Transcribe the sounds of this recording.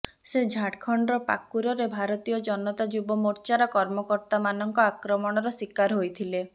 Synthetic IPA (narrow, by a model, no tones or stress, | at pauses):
sed͡ʒʱaʈkʰɔɳɖɾɔpa̰kuɾɔɾebʱaɾɔt̪ijɔd͡ʒɔnɔt̪ad͡ʒubɔmoɾt͡ʃaɾɔkɔɾmɔkɔɾt̪amanɔŋkɔakɾɔmɔɽ̃ɔɾɔsikaɾɦojt̪ʰile